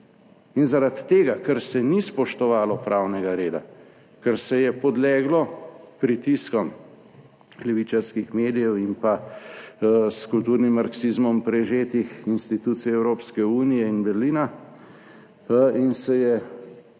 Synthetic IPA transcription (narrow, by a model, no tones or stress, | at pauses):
inzaɾat̪ːeːɡakɛɾsɛnispɔʃt̪ɔʋaːlɔpɾaːwnɛɡaɾeːd̪a̰ | kɛɾsɛjɛpɔd̪lɛːɡlɔpɾit̪iskɔm | klɛʋit͡ʃaɾskixmeːd̪ijɛwimpa | skult̪uːɾnimːaɾksizmɔmpɾɛʒeːt̪ixinst̪it̪ut̪sijɛɛwɾoːpskɛuːnijɛinbɛɾliːna | insɛjɛ